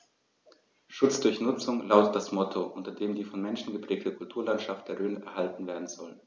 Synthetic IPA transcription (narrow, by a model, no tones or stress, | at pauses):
ʃʊt͡sd̥ʊɐçnʊt͡sʊŋlaʊtət̚d̥asmɔtʰoʔʊntɐdeːmdiːfɔnmɛnʃn̩ɡəpʁ̥ɛːk̚təkʰʊltʰuːɐlantʃaft̚d̥eːɐʁøːnəʔɛ̰ɐɦaltn̩veːɐdn̩zɔl